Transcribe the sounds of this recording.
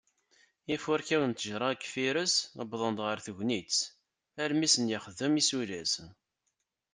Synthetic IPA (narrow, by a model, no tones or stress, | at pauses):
ifʊɾkæwənt̪əʒɾˤɑkːfiɾəsəbðˤənd̪ʁəɾθuʝnit͡sː | æɾmisənjɪχəðəmisulæs